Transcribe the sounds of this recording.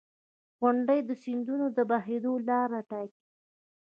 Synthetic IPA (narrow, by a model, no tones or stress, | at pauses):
ɣʊɳɖəjd̪əsind̪unod̪əbaɦed̪olɑɾaʈɑki̥